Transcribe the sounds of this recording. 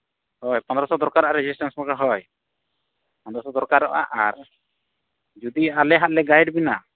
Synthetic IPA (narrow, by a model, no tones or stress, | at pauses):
hɔjpɔ̃nd̪ɾɔsɔd̪ɔɾkaɾɔʔaɾɛd͡ʒisʈansmɔkaɦɔj | pɔ̃nd̪ɾɔsɔd̪ɔɾkaɾɔ̰ʔa̰ʔaɾ | d͡ʒud̪ialɛɦat̪̚lɛɡajɖbina